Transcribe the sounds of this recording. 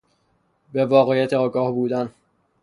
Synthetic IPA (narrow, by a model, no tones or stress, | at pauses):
bevɒːɣejæt̪ʰeɒːɡɒːhbuːd̪æn